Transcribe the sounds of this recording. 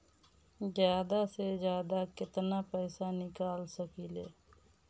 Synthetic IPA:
zjaːd̪asezjaːd̪akɪt̪napɛːsanɪkaːlsəkiːleː

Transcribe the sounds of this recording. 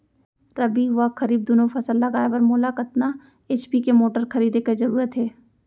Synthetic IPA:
ɾɐbiʋakɐɾiːb̚d̪ʊnofʰɐsəlːɐɡaːjeʋɐɾmoːlakɐt̪na | eːt͡ʃpikemoːʈəɾkɐɾiːd̪ekezɐɾuːɾət̪ɦɛː

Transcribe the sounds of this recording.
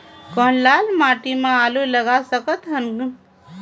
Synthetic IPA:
kənlalmaʈimẽaluləɡasəkət̪ɦən

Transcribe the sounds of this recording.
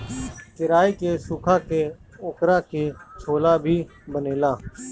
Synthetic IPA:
kɪɾaːiːkeːsuːkʰãːkeːʊːkɾãːkeːt͡ʃʰoːlaːbʱiː | bəneːlãː

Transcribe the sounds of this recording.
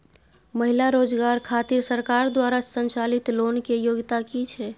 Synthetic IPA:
məɦilaɾod͡ʒɡaɾkʰat̪iɾsəɾkaɾd̪waɾasənt͡ʃalit̪lonkejoɡt̪akit͡ʃʰɛ

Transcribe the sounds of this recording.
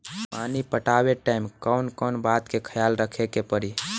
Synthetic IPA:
panipəʈabeʈaimkəwnkənbat̪kekʰəjalɾəkʰekepəɾi

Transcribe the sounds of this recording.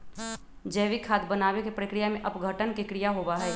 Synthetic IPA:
d͡ʒɛːʋikʰːaːt̪bənaːwekepɾəkɾijamẽʔəpɡʱəʈənkekɾijaɦoːbaɦɛː

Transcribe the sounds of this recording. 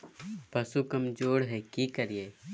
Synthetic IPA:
pɐsukɐmd͡ʒoːɽɦɛkikəɾijeː

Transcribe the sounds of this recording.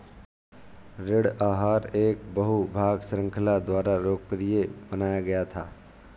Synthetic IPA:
ɾɪɽaːɦaːɾeːk̚bəɦubʱaːɡʃɾə̃ŋkʰəlad̪waːɾaɾoːɡ̚pɾijebənaːjaɡɐjat̪ʰaː

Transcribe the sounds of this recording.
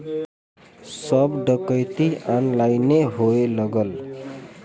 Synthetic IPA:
sʌbɖʌkʌjt̪ianlajneɦoelʌɡʌl

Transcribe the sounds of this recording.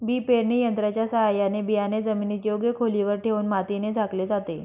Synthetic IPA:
biːpeɾɳijənt̪ɾat͡ɕjasəɦajanebijaned͡zəminit̪joɡjəkʰoliʋəɾʈʰeuːnmat̪ined͡zʱakled͡zat̪e

